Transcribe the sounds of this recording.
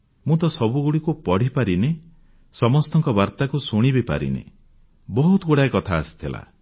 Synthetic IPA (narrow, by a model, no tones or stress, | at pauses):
mũt̪ɔsɔbuɡuɽikupɔɽ̤ipaɾine | sɔmɔst̪ɔŋkɔbaɾt̪akusuɽ̃ibepa̰ɾḭnḛ | bɔɦut̪ɔɡuɽaekɔt̪ʰaːsi̥t̪ʰila̰